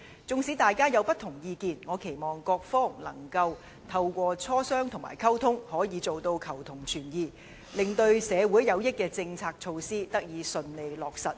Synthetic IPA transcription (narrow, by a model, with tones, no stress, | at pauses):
t͡sʊ˨˧ŋsiː˨˥t̪aː˨jkaː˥jɐ˨˧wpɐ˥t̪ʰʊ˨˩ŋjiː˧kiː˨˧nŋɔː˨˧kʰe˨˩jmɔː˨˩ŋkɔː˧k̚fɔː˥ŋlɐ̰˨˩ŋkɐ˧w | t̪ʰɐ˧wkʷɔː˧t͡sʰɔː˥sœː˥ŋt̪ʰʊ˨˩ŋma̰˨˩jkʰɐ˥wt̪ʰʊ˥ŋhɔː˨˥jiː˨˧t͡so˨wt̪o˧wkʰɐ˨˩wt̪ʰʊ˨˩ŋt͡ʃʰyː˨˩njiː˨ | lɪ˨ŋt̪ɵ˧ɥsɛː˨˧wuː˨˥jjɐ˨˧wjɪ˥kːɛː˧t͡sɪ˧ŋt͡sʰaː˧k̚t͡ʃʰo˧wsiː˥t̪ɐ˥k̚jiː˨˧sɵ˧nle˨˧jlɔː˨k̚sɐ˨t̚